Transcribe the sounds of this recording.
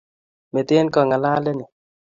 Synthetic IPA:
me˨t̪ɪ˦nkɔ˦˨ŋa˨la˦lɛ˦nɪ˨

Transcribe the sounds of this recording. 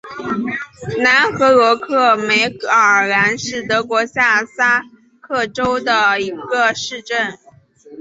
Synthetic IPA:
na˧˥nxɤ˧˥ɤ˧˥kʰɤ˥˩me˧˥ɪəə˨˩ə˨˩la˧˥nʂɻ̩˥˩t̪ɤ˧˥kwɔ˧˥ɕja˥˩sa˥ | kʰɤ˥˩ʈ͡ʂo˥ʊd̪ə˨i˧˥ɡə˧ʂɻ̩˥˧ʈ͡ʂə˥˩n

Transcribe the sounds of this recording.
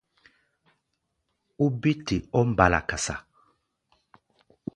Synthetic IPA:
u˦bi˦ti˨ɔ˦m̩˦˨ba˨la̰˨ka˨sa̰˨

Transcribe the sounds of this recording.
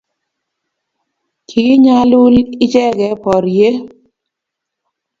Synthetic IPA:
kʰi˨˦ɲa˦lu˦lɪ˦t͡ʃɛ˦ɡɛ˨˦pɔ˨ɾje˦

